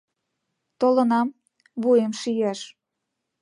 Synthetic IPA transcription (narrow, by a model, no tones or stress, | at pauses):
t̪olə̆nɑm | βujemʃijeʃ